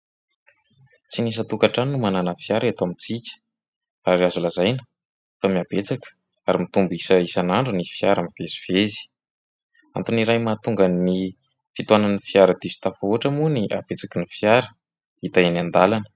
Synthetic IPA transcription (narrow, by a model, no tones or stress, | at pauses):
t͡sinis̬ət̪ukaʈ͡ʂaninumananəfiaɾat̪oamit͡sikʲə̥ | aɾiazulazajnə | famiab̥et͡sakə̥ | aɾimit̪umbisəisanaɳɖ͡ʐunifiaɾəmivezivezi̥ | ant̪uniɾajmat̪uŋɡanːi | fit̪uananifiaɾəd̪isi̥t̪afuaʈ͡ʂəmuniʔa̰b̥et͡sakinifiaɾə | it̪aenand̪alanə̥